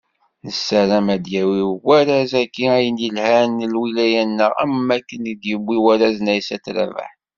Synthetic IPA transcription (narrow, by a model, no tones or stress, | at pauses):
nəsːæɾæmæd̪jæwiwæɾæzækːiæjənjəlhænəlwilæjænːəʁæ̰mːækːənid̪jəbʷːiwæɾæznæjsætɾæ̰və̰ħ